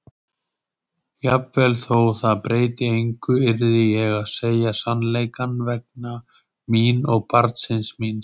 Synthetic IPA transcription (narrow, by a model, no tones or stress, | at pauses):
japvɛlθoːwθaðpɾeːjt̪ɪejŋkʏɪɾðɪjɛɣaðseːjasanleːjkanvɛk̚na | miːnɔɣpaɾt̪sɪnsmin